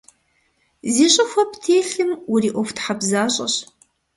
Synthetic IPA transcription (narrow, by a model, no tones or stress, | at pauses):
ziːɕʼɪxʷɐptʰeːɬɨmʊriːʔʷɔftħabzaːɕʼɐ̰ɕ